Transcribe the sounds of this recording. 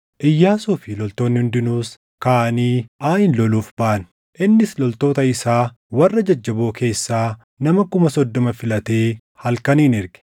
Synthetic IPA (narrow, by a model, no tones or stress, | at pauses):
ʔɪjːaːsuːfɪlɔlt̪o̞ːnːɪhʊnd̪ɪnuːs | kaːʔɐniːʔaːhɪnlɔluːfbaʔɐn | ʔɪnːɪslɔlt̪o̞ːt̪ɐɪsaː | wɐrːɐd͡ʒɐd͡ʒːɐbo̞ːkʰe̞ːsːaː | nɐmɐkʊmɐsɔd̪ːɔmɐfɪlɐt̪e̞ː | hɐlkɐniːnɪɾɡɪ̥